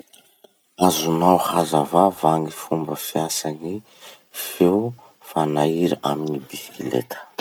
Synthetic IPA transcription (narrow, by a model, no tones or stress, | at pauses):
azunawhazavavaŋifumbəfiasani | few | fanaiɾaaminibisi̥kilḛt̪ʰə̥